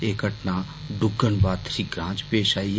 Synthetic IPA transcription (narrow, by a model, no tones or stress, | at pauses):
eːkəʈnaː | ɖʊɡəɳbaːt̪ʃiɡɾãːt͡ʃpeːʃaːi